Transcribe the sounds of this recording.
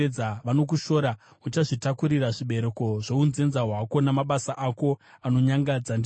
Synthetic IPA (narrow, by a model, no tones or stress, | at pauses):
d͡zaʋano̞k̬uʃo̞ɾa | ut͡ʃaʐitakuɾiraʐiɓe̞ɾe̞ko̞ʐounze̞nzaɦwako̞namaɓasaʔako̞ano̞ɲaŋɡad͡zand